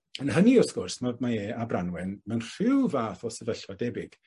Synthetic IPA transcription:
ənɦəniɔskʊrsmamaeːabranwɛnmanr̥ɪwvaːθɔsɛvəɬadɛbɪɡ̥

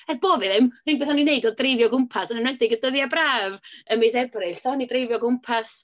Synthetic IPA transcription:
ɛb̥oːvɨðɪmrinbeːθhɔnineɨdɔdrɪvjɔɡʊmpʰasanənwɛdɪɡədəðjabraːvəmes̬ɛbrɨɬtʰɔnidrevjɔɡʊmpʰas

